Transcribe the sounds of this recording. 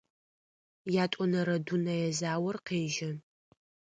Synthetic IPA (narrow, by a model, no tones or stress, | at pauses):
jaːtʷʼɔnɐɾɐdunɐjɛzaːwɐrqeːʒɐ